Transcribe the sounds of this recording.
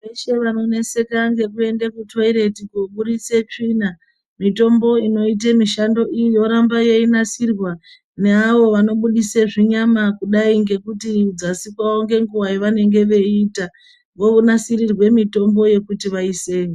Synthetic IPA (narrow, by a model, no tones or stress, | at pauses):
ʋe̞ʃe̞ʋano̞ne̞se̞kaŋɡe̞k̬ue̞ndekutwaiɾe̞tikuɓuɗit͡se̞t͡ʂina | mito̞mbo̞ino̞it̬emiʃando̞ʔijo̞ɾambaje̞inasirwa | ne̞aʋo̞ʋano̞ɓuɗiseʐiɲamakuɗaiŋɡe̞kutiud͡zasikwaoŋɡe̞ŋɡuwajiʋane̞ŋɡe̞ʋe̞ita | ʋo̞ʋunasiɾirwe̞mito̞mbo̞je̞kutiʋaise̞ːʋo